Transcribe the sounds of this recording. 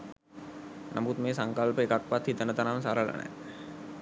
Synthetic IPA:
nʔə̰mut̪meːsəŋkəlpəekak̚pat̪hit̪ənət̪anamsaɾələ̰nɛ̰

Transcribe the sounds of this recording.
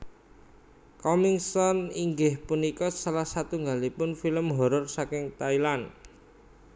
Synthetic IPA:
kɔmiŋsɔniŋɡɪhpunikɔsalahsat̪uŋɡalipʊnfiləmɦɔɾɔrsakɪŋt̪ailan

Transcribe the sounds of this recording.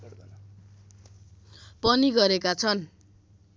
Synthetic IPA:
pʌniɡʌɾekat͡sʰʌn

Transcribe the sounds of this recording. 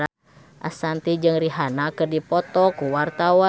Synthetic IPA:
a | ʔa̰sant̪id͡ʒɨŋriɦanakɨrdipɔt̪ɔkuwart̪awa

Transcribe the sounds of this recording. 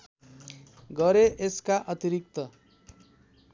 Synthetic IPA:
ɡʌɾeʔeskaʔʌt̪iɾik̚t̪ʌ

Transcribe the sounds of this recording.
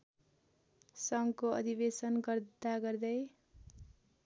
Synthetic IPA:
sʌŋkoʌ̰d̪ʱibesʌnɡʌrd̪aɡʌrd̪ʌj

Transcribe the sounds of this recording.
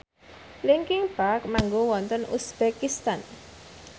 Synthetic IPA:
liŋkɪŋpak̚maŋɡowɔnt̪ənʔṵsb̥ekist̪an

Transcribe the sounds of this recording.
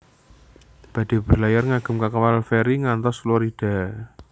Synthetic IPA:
b̥ä̤d̪̥e̤b̥ə̤rlajarŋaɡ̥ə̤mkakawalfeɾiŋant̪ɔslɔɾiɖ̥a̤

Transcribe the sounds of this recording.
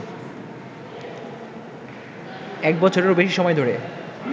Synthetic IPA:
ɛk̚bɔt͡ɕʰoɾeɾobeʃiʃɔmɔed̪ʱoɾe

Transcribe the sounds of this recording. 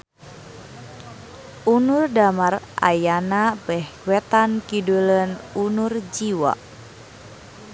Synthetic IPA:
unurdamarʔa̰janabɛhwɛt̪ankidulənunurd͡ʒiwa̰

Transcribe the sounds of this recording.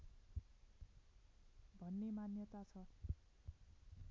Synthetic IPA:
bʱʌnːemanjʌt̪at͡sʰʌ

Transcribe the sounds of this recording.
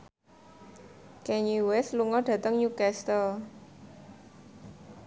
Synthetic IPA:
kɛɲiwɛsluŋɔɖ̥ä̤t̪əŋɲukɛst̪ɔ

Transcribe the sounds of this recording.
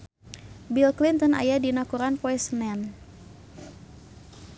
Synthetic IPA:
bilklint̪ɔna̰jadinakuɾanpɔɛsənɛn

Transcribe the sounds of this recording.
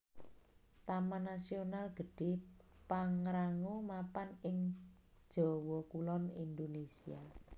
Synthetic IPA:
t̪amanasionalɡ̥ə̤ɖ̥e̤paŋɾaŋomapanɪŋ | d̥ʒ̥ɔ̤wɔkulɔnind̪onesia

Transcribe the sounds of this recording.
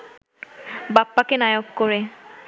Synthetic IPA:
bapːakenajokkoɾe

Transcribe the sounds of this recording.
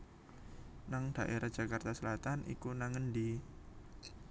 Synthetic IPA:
naŋd̥aʔeɾad͡ʒ̥a̤kart̪asəlat̪anʔḭkunaŋəndi

